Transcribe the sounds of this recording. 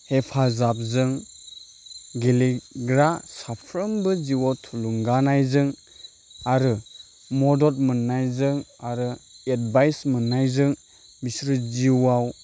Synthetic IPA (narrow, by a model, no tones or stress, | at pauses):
hepʰazap̚zɯŋ | ɡeliɡɾasapʰɾɯmbɯziwawtʰuluŋɡanajzɯŋ | aɾɯ | mɔdɔt̚mɯnːajzɯŋaɾɯet̚bajsmɯnːajzɯŋ | misɾɯziwaw